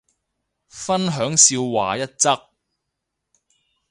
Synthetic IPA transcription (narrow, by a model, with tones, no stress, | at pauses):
fɐ˥nɦœː˨˥ŋsiː˧wwa̰ː˨˩jɐ˥t̚t͡sɐ˥k̚